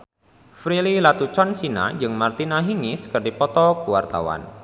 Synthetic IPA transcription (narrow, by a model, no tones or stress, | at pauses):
fɾililat̪ut͡ʃɔnsina̰d͡ʒɨŋmart̪inaɦiŋɪskɨrdipɔt̪ɔkuwart̪a̰wa̰n